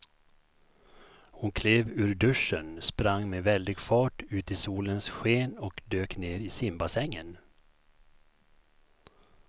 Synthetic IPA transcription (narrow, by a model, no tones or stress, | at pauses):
hʊnkʰleːvʉ̟ːɾɖɵʂənspɾaŋːmeːvɛld̪ɪɡfɑːʈʉ̟ːt̪ɪsuːlənsɧeːnɔkd̪øːkneːɾɪsɪmbasɛŋːən